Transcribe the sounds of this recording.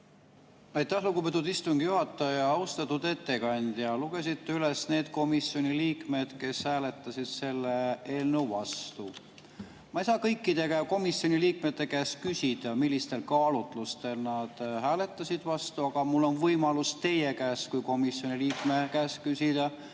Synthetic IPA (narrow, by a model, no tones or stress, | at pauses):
ɑjt̪ːˑæhluɡubet̪̬ːˑud̪ist̪uŋɡ̥juhɑt̪ːˑɑjɑɑust̪ɑt̪ːˑud̪e̞t̪ːekɑnʲd̪̥ʲjɑluɡ̥e̞s̬it̪ːeyle̞sne̞ːd̪̥ko̞misːjo̞nʲiliːkme̞d̪̥ke̞shæːle̞t̪ˑːɑsʲid̪̥se̞lːee̞ːlnewvɑst̪u | mɑejsɑːkɤjkːid̪e̞ɡæko̞misjo̞niliːk̚me̞t̪ːe̞kæːskysʲid̪̥ɑmilʲːist̪e̞lkɑːlut̪ˑlust̪e̞lnɑd̪̥hæːle̞t̪ˑːɑsid̪̥vɑst̪uɑɡ̥ɑmulːo̞nvɤjmɑlust̪e̞je̞kæːskujko̞misjo̞nʲiliːkmekæːskysʲid̪̥ɑ